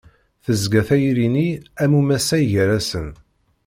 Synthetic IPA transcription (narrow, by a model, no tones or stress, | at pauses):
θəzɡæθæjɾiniæmumæsæjʝɾæsən